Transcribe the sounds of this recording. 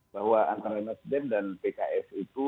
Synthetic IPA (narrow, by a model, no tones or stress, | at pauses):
bahwaant̪aɾanasidɛmdanpekaʔɛsit̪u